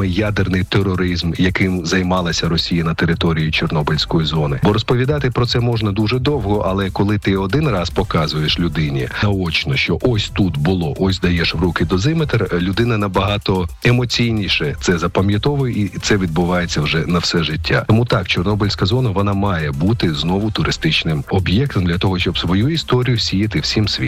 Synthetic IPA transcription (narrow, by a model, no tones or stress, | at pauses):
mɪjad̪ɪrnɪjt̪eɾɔɾɪzmjɐkɪmzɐjmɑlˠɐsʲɐɾɔsʲijɐnɐt̪eɾɪt̪ɔɾʲijʊt͡ʃɔrnɔbɪlʲsʲkɔjizɔnɪbɔɾɔspɔʋʲid̪ɑt̪ɪpɾɔt̪sɛmɔʒnɐd̪uʒɛd̪ɔwɦɔʔɐlˠɛkɔlˠɪt̪ɪɔd̪ɪnrɑspɔkɑzʊjeʃlʲʊd̪ɪnʲiɐɔt͡ʃnɔʃt͡ʃɔʔɔsʲt̪ut̪bʊlˠɔʔɔsʲd̪ɐjɛʃʋɾukɪd̪ɔzɪmet̪erlʲʊd̪ɪnɐnɐbɐɦɑt̪ɔemɔt͡sʲijnʲiʃɛt̪sɛzɐpɐmʲjɐt̪ɔʋʊjɛʔit̪sɛʋʲid̪̚bʊʋɑjet͡sʲːɐwʒɛnɐwsɛʐɪtʲʰːa̰t̪ɔmut̪ɑkt͡ʃɔrnɔbɔlʲsʲkɐzɔnɐʋɔnɑmɑjɛbut̪ɪznɔʋʊt̪ʊɾʔɪst̪ɪt͡ʃnɪmɔbjɛk̚t̪ɔmd̪lʲɐt̪ɔɦɔʃt͡ʃɔbsʋɔjuist̪ɔɾʲijʊsʲijɐt̪ɪwsʲimsʲʋʲḭ